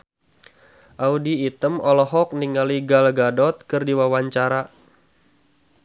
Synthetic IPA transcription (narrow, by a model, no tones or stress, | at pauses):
ʔaudiːt̪əmɔlɔɦɔk̚niŋaliɡalɡadɔt̪̚kɨrdiwawaɲt͡ʃaɾa